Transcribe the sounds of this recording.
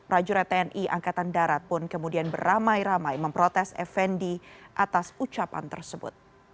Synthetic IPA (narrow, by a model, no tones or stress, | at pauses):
pɾad͡ʒuɾɛt̪eɛnʔiʔa̰ŋkat̪andaɾat̪̚pʊnkəmudianbəramajɾamajməmpɾot̪ɛsɛ̰fɛndiʔat̪asut͡ʃapa̰nt̪ə̰rsəbʊ̰t̪̚